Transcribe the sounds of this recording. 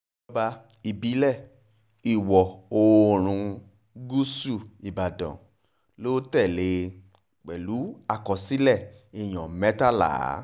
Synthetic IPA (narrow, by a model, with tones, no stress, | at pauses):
ba˧ | i˧˨bi˨˦lɛ˦˨ | i˨wɔ˨o˧ɾ̃ũ˧ | ɡu˦su˦˨i˨ba˨dɔ̰̃˨ | lo˦tɛ˦˨le˨˦ | k͡pɛ˨lu˨˦a˦˨kɔ˧si˦lɛ˦˨i˨j̃ɔ̃˨mɛ˦ta˦la̰ː˨˦